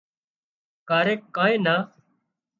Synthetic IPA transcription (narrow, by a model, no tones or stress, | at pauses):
kaːɾeːkːãːẽːnaː